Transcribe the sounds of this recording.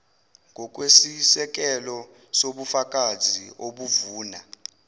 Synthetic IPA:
ŋɡʱɔk̬ʼwesisɛk̬ʼɛlɔ | soɓufak̬ʼazʱioɓuvuːna

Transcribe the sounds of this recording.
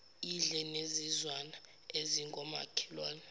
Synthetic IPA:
iɮɛnezizwana | eziŋɡʱɔma̰kʰi̥lwaːni

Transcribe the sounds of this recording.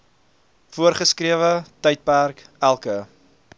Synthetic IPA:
fuərχəskɾiəvətəjt̚pærkælˠkə

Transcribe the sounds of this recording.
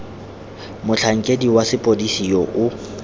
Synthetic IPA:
mʊt͡ɬʰaŋ̩kʼediwasɪpʼodisijɔʔʊ

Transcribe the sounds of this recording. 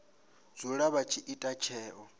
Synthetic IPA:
d͡zuɺaβat͡ʃʰiʔitʼat͡ʃʰɛːʔɔ

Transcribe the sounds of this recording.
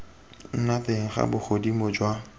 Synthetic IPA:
n̩nateŋ̩χa̰bʊχodimod͡ʒwa

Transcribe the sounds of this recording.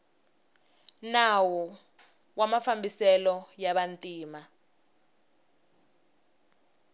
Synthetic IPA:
nawɔ | wamafambisɛlɔjaɓantʼiːma

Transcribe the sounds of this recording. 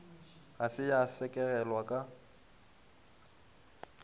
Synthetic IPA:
ɣasɪjasɛkʼɛɣɛlwakʼa

